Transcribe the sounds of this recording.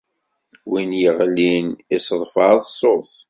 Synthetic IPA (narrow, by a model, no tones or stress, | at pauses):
winjəʁlinisˤəðˤfɑðsˤoθ